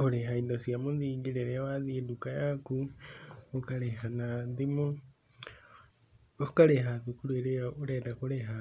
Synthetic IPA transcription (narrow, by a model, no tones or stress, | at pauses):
koɾeɦaindɔsjamonðiɡiɾeɾɛwaðiedukajaku | okaɾeɦanaðimo | okaɾeɦaðukuɾweɾejaoɾɛdakoɾeɦa